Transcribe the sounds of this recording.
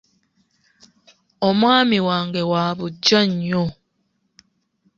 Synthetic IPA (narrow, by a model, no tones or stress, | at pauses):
omwaːmiwaːŋɡewaːβuɟaɲːo